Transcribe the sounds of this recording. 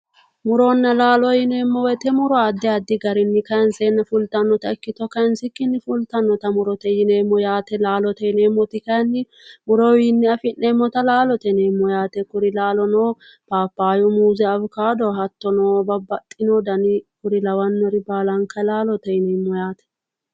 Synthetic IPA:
mʊɾɔnːɐlaːlɔjɪneːmːɔwɛt̪ɛmʊɾɔad̪ːɛɐd̪ːɪɡɐɾɪnːɪkɐnsɛnːɐfʊlt̪ɐnːɔt̪ɐɪkːɪt̪ɔkɐnsɪkːɪnːɪfʊlt̪ɐnːɔt̪ɐmʊɾɔt̪ɛjɪneːmːɔjaːt̪ɛlaːlɔt̪ɛjɪneːmːɔt̪ɪkɐnːɪ | mʊɾɔwɪnːɪɐfɪneːmːɔt̪ɐlaːlɔt̪ɛneːmːɔjaːt̪ɛkʊɾɪlaːlɔnoː | paːpːaːjʊmuːzɛɐbkaːd̪ɔhɐt̪ːɔnoːbɐbɐt̪ʼːɪnɔd̪ɐnɪkʊɾɪlɐwɐnːɔɾɪbaːlɐŋkɐlaːlɔt̪ɐjɪneːmːɔjaːt̪ɛ̥

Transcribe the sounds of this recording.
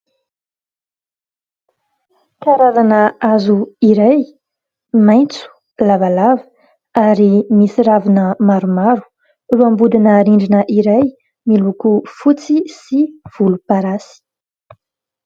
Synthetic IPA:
kaɾaɾanəazuiɾaj | majnt͡su̥ | lavalavə | aɾimisiɾavinəmaɾumaɾu̥ | ruambud̪inəɾiɳɖ͡ʐinəʔiɾaj | milukufut͡sisiv̥ulupaɾasi̥

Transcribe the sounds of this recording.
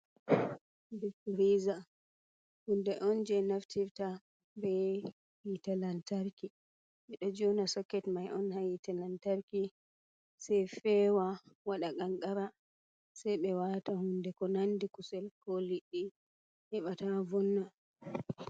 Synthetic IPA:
dɛfuɾiza | hundɛʔɔnd͡ʒɛnaftʰivta | bɛ | witalantaɾki | ʔɛɗɔd͡ʒɔnasakːɛtmajʔɔnhajitalantaɾki | sɛjfɛwawaɗaɡaŋɡaɾa | sajɓɛwatahundɛkɔnandikusɛlkɔliɗːi | hɛɓatavɔnːa

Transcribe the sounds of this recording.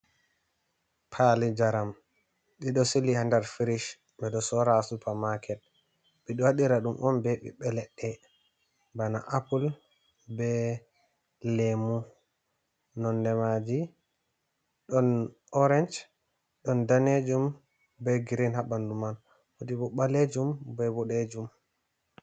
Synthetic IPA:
pʰalid͡ʒaɾam | ɗiɗɔsilihandaɾfiɾiʃ | ɓɛɗɔsɔɾasupamakʰɛt̚ | ɓiɗɔwaɗiɾaɗumʔɔmbɛɓḭɓɛlɛɗːɛ | bana̰ʔapul | bɛ | lemu | nɔndɛmad͡ʒi | ɗɔn | ɔɾɛnd͡ʒ | ɗɔndaned͡ʒum | bɛɡiɾinhaɓanduman | woɗibɔɓaled͡ʒumbɛbɔɗed͡ʒum

